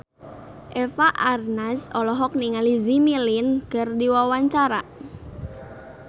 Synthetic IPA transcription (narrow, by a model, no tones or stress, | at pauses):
ʔefaʔarnasɔlɔɦɔk̚niŋalizimilɪnkərdiwawaɲt͡ʃaɾa